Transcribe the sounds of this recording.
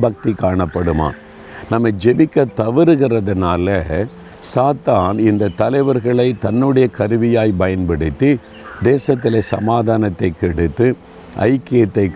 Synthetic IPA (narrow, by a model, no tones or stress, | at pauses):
bɐk̚t̪ikːaːɳɐpːɐɽɯma̰ː | nɐmːɐɪd͡ʒɛʋɪkːɐt̪ːɐʋɪɾɯɣɪrɐðɐnaːlɐ | saːt̪aːnɪnd̪ɐt̪ːɐlɐɪʋɐɾɣɐɭɐɪt̪ɐnːɯɽɐjɐkɐɾɯʋɪjaːjpɐjɐnpɐɽɪt̪ːi | d̪eːsɐt̪ːɪlesɐmaːðaːnɐt̪ːɐɪkːɛɽɯt̪ːɯ | ʔɐ̰ɪkːɪjɐt̪ːɐɪkː